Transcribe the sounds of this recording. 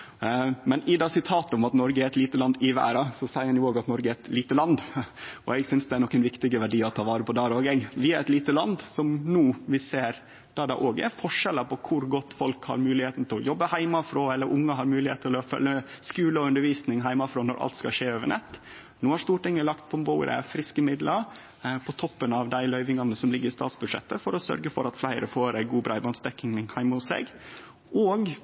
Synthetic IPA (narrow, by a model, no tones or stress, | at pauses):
mɛnɪd̪ɑsɪt̪ʰɑːt̪əɔmɑt̪nɔɾɡəæɾɛt̪liːt̪əlɑnd̪ɪʋæ̰ːɾɑsɔsæɪəɾɑnjʊoːɡɑt̪nɔɾɡəæɾɛt̪liːt̪əlɑnd̪ɔ̰ɛɡsʏnsd̪ɛæɾnɔkːɛnʋɪkt̪ɪɡəʋæɖiːɔt̪ʰɑːʋɑːɾəpʰɔd̪ɑːɾəoːɡɛɡʋɪæɾɛt̪liːt̪əlɑnd̪sɔmnuːʋɪseːɾ | d̪̥ɑd̪ɑ̰ʔoːɡæ̰ɾfɔʂɛləpʰɔkʰʊɾɡɔt̪ːfɔlkhɑ̰ɾmʉːlɪheːt̪nət̪ʰɪlɔjɔbːəhæɪmɑfɾoːɛlːəɾʔʊŋːəɦɑɾmʉːlɪheːt̪ʰːɪlɔfœ̰ljəɛskʉːləɔʉnd̪əɾʋiːsnɪŋɦæɪmɑfɾɔːnɔɾʔɑ̰lt̪skɑ̰ʂeːøːʋəɳɛt̪ː | nuːhɑɾʂt̪uːʈɪŋːəlɑkt̪̚pʰɔmboːɾə̰fɾɪskəmɪd̪ləɾ | pʰɔt̪ʰɔpːənɑʋd̪æɪlœʏʋɪŋɑnːəsɔmlɪɡːəɾst̪ɑ̰ːt̪sbʉd̪ʂɛ̰t̪ːəfɔɾɔsœ̰ɾɡəfɔɾɑt̪flæɪɾəfoːɾæɪɡuːbɾɑːɪbɑnsd̪ɛkːɪŋhæɪmʊsḛːɡ | ʔoːɡ